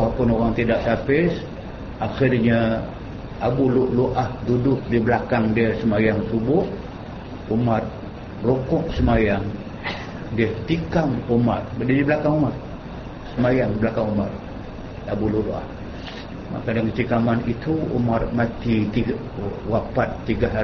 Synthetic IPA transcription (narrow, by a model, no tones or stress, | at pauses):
ahpʊnoɣaŋt̪idaʔsapɪs | ʔaxɪrɲa | abulʊʔluʔahdudʊk̚dibəlakaŋdiəsəmajaŋsubʊh | umat̪̚ | rokʊʔsəmajaŋ | diət̪ikamumat̪̚didibəlakaŋumat̪̚ | səmajaŋdibəlakaŋumat̪̚ | abuluʔloʔa̰h | ma̰kadaŋkət̪ikamanit̪uṵmat̪̚mat̪it̪i | wapat̪ːiɡaɦ